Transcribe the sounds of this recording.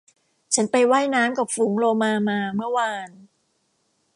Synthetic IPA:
t͡ɕʰa˦˥npa˧jwa˥˩jnaː˦˥mka˨˩p̚fuː˩˦ŋɾoː˧maː˧maː˧mɯ˥˩əwaː˧n

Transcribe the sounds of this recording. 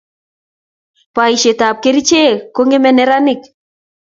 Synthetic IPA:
pa˨i˨ʃe˨ta˨p̚ke˦ɾi˦t͡ʃe˦ko˦ŋɡe˦mɛ˦nɛ˦ɾa˦nɪ˨k

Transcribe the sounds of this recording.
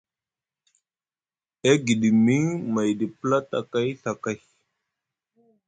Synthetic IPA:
e˦ɡi˨ɗi˨mi˦ŋma˨jɗi˨pə˦la˦ta̰˨ka˦jɬa˨ka˦˨j

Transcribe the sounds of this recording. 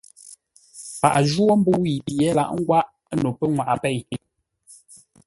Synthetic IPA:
pa̰˨ʔd͡ʒwo˦m̩˦bu˦wi˨pi˨ɛ˦la̰˨ʔŋ̩˦ɡwa˦ʔ | no˨pɛ˦ŋwa˨ʔa˨pɛ˦˨j

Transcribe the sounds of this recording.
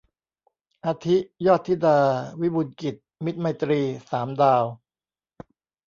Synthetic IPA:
ʔaː˧t̪ʰi˦˥ʔjɔː˥˩t̪ʰːi˦˥daː˧wi˦˥bu˧nki˨˩t̪̚mi˦˥t̪̚ma˧t̪ɾiː˧saː˩˦mdaː˧w

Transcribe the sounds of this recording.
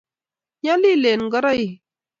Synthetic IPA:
ɲa˦li˦˨le˨n˨ɡə˦ɾa˦i˨

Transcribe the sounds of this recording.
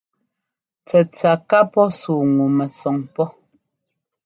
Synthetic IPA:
t͡sɛ˨t͡sa˨ka˦pɔ˦suː˨ŋu˨mɛ˨sɔ˨ŋpɔ˦

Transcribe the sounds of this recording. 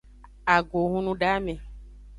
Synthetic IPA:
a˨ɡo˨ɦũ˦nũ˦ɖa˦mẽ˨

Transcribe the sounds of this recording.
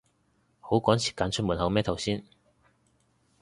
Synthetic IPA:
ho˨˥wkɔː˨˥nsʰi˨˩kaː˨˧nt͡ʃʰɵ˥t̚muː˨˩nhɐ˨˧wmɛː˥˩t̪ʰɐ˨˩wsiː˥n

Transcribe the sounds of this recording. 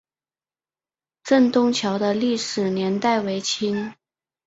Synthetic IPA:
ʈ͡ʂə˥˧nt̪ʊ˥ŋt͡ɕʰjɑ˧˥ʊd̪ə˧li˥˩ʂɻ̩˨˩njɛ˧˥nt̪a˥˩ɪwe˧˥ɪt͡ɕʰi˥n

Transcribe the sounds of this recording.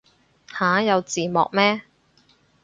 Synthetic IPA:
haː˨˥jɐ˨˧wt͡siː˨˧mɔ̰ː˨k̚mɛː˥

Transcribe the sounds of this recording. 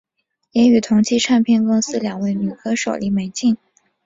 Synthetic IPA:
jɛ˧˥y˨˩t̪ʰʊ˧˥ŋt͡ɕʰi˥ʈ͡ʂʰa˥˧npʰjɛ˥˧nkʊ˥ŋsɹ̩˥ljɑ˨˩ŋwe˥˩ɪny˨˩kʰɤ˥ʂo˨˩ʊli˧˥me˧˥ɪt͡ɕi˥˩ŋ

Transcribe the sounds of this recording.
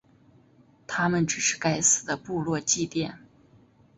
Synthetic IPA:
t̪ʰa˥mə˨nʈ͡ʂɻ̩˨˩ʂɻ̩˥˩ka˥ɪsɹ̩˨˩d̪ə˦pu˥˧lwɔ˥˧t͡ɕi˥˧t̪jɛ˥˩n

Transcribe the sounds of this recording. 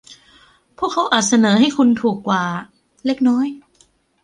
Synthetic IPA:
pʰu˥˩əkʰːa˦˥wʔaː˨˩t̪̚sa˧nɤː˩˦ɦa˥˩jkʰu˧nt̪ʰuː˨˩kːwaː˨˩ | le˦˥k̚nɔː˦˥j

